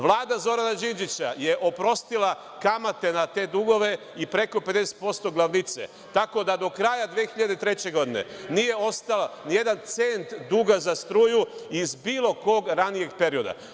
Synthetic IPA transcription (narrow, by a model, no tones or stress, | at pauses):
ʋlˠaːd̪azo̞ɾanad͡ʒind͡ʒit͡ɕaje̞ʔo̞pɾo̞st̪ila | kamat̪e̞nat̪e̞ːd̪uɡo̞ʋe̞ | ipɾe̞ko̞pe̞d̪e̞se̥t̪̚po̞st̪o̞ɡlˠaʋnit̪sḛ | t̪ako̞d̪ad̪o̞kɾajad̪ʋeːxiʎad̪et̪ɾe̞t͡ɕe̞ɡo̞d̪ine̞̰nije̞o̞st̪alanije̞d̪ant̪se̞nt̪d̪uɡazast̪ɾuːjuizbiːlˠo̞ko̞ɡɾanije̞ɡ̚pe̞ɾio̞d̪a̰